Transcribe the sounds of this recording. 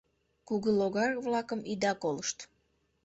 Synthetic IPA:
kuɣəloɣɑrβlɑkəmid̪ɑkoləʃt̪

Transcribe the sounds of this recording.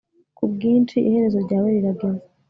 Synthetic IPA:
kub̚ɡiːnt͡ʃiʔihe̞ɾe̞zo̞ɾɟaːweɾiɾaɡe̞ze

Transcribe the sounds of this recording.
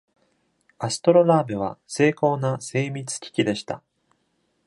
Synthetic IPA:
asɨ̥t̪o̞ɾo̞naːbɯβ̞a̰se̞ːko̞ːnase̞ːmʲit͡sɨ̥kʲi̥kʲid̪e̞ɕi̥t̪a

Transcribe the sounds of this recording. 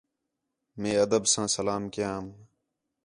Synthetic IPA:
mẽːəd̪əbsãːsəlaːmkɪjãːm

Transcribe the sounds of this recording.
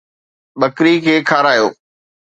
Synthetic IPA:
ɓəkɾikʰeːkʰaːɾaːjo̰ː

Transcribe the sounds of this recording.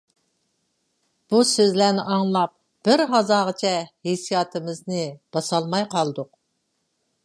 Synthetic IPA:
b̥usøzlæɾnɪʔɑŋlˠɑp̚ | b̥ɪɾɦɑzɑːʁət͡ʃʰɛhesijɑːt̪ʰɨmɪznɨb̥ɑsɑlˠmɑjqʰɑlˠd̪ʊq̚

